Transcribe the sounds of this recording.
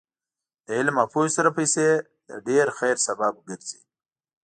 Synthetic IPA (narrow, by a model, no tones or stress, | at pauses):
d̪̥əɪlmapusɐɾapəjse | d̪̥ə̰ɖeɾxejɾsabaːb̚ɡəɾzḭ